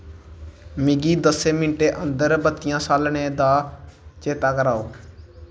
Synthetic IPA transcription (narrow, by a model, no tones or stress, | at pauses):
mɪɡiːd̪əseːmɪnʈeːʔə̃nd̪əɾbət̪ɪjãːsaːlɳeːd̪aːt͡ʃeːt̪aːkəɾaːoː